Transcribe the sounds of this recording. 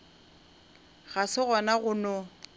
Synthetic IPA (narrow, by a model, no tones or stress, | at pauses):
ɣasɪɣɔnaɣʊnɔ